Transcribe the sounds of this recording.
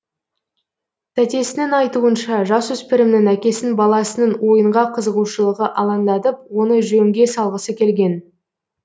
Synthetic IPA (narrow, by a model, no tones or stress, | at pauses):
t̪ʰæt̪e̞sɪnɪŋɑjt̪uənʃɑʒɑswɵspɪɾɪmnɪŋækʲe̞sɪnbɑlˠɑsənəɴwo̞jəɴʁɑqʰəzəʁuʃəlˠəʁəʔɑlˠɑnd̪ɑt̪əp̚wo̞nəʒɵŋɡʲe̞sɑlˠʁəsəkʲʰe̞lɡʲe̞n